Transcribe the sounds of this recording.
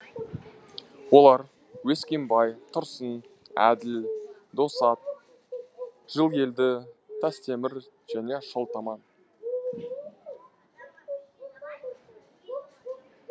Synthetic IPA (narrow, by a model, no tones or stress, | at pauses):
wo̞lˠɑɾ | weskʲembɑjt̪ʰʊɾsən | æ̰d̪ɪl | d̪o̞sɑt̪̚ | ʒ̥əlˠke̞ld̪ɪt̪ʰæst̪ʰe̞mɪɾ | ʒ̥æne̞ʃəlˠt̪ɑmɑn